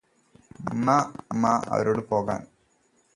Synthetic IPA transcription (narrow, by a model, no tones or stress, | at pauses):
unːamːaɐ̰ʋɐɾoːɽɨpo̞ːɣa̰ːn